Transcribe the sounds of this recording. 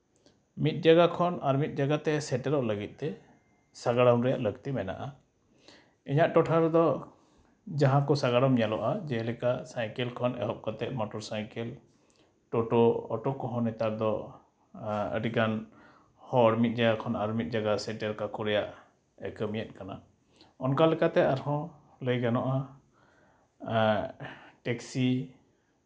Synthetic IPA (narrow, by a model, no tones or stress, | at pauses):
mit̪̚ˀd͡ʒaɡakʰɔnaɾmit̪̚ˀd͡ʒaɡat̪ɛsɛʈɛɾɔʔləɡit̪̚ˀt̪ɛ | saɡaɽamɾɛja̰ʔləɡt̪imɛna̰ʔa | iɲaʔʈɔʈʰaɾd̪ɔ | d͡ʒaɦãkɔsaɡaɽamjalɔ̰ʔad͡ʒɛlɛkasajkɛlkʰɔnɛ̰ɦɔʔ̚kat̪ɛʔmɔʈɔɾsajkɛl | ʈɔʈɔɔ̰ʈɔkɔɦɔ̃nɛt̪aɾd̪ɔ | ə̰ɖikan | hɔɾmit̪̚ˀd͡ʒaɡakʰɔnaɾmit̪̚ˀd͡ʒaɡasɛʈɛɾkakʰɔɾɛjaʔ | ɛkəmijɛt̚kana̰ | ɔnkalɛkat̪ɛaɾhɔ̃ | ləjɡanɔʔa | ʈɛksi